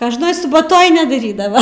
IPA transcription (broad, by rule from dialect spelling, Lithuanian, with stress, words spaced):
koːʒˈnoːj sʊbɐˈtoːj nʲɛdɐˈrʲiːdɐʋɐ